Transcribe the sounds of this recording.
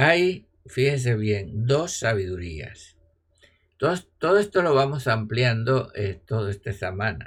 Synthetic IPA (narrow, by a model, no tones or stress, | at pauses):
aj | fixes̬e̞β̞je̞nd̪o̞sːaβ̞iðuɾia̰s | t̪ot̪oðoe̞st̪o̞lo̞β̞amo̞sampljand̪o̞ʔet̪oðoe̞st̪esamãna̰